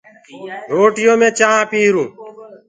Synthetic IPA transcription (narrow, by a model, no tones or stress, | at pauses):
ɾoːʈɪjoːmẽːt͡ʃaːãːpiːɦɾũː